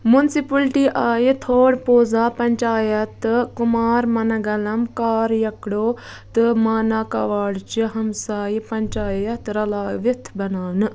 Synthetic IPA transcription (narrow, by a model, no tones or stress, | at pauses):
munsipɐlʈiʔaːjit̪ʰoːɽpoːzaːpɐɲt͡ʃaːjɐt̪kumaːɾmɐnɐɡɐlɐmkaːɾjɐkɽoː | t̪ɨmaːnaːkɐʋaːɽt͡ʃiɦɐmsaːjipɐɲt͡ʃaːjɐt̪ɾɐlaːʋit̪ʰbɐnaːʋnɨ